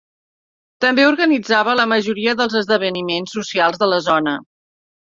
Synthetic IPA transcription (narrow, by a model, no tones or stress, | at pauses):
t̪əmbeuɾɣənid͡zaβələməʒuɾiəðəlˠzəzðəβ̞ənimensːusialˠzðələzɔnə